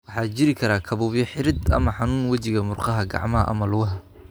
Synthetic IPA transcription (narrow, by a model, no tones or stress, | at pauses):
wɑħɑːt͡ʃɪɾɪkʰɐɾaːkʰɐβʊːbjɔħɪɾɪd̪ɐ̰mɐħɑnuːnwɐt͡ʃɪɣɐmʊrqɑɦɐɡɑ̰ʕmɐɦɐ̰ʔɐ̰mɐlʊɣɐɦɐ